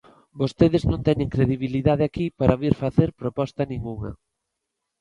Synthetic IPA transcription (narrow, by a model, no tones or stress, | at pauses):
bost̪eðɪznõnt̪ɛɲeŋkɾeðiβ̞iliðað̞eakipaɾʔaβiɾfaθeɾpɾopɔst̪ɐnĩŋɡuŋɐ̰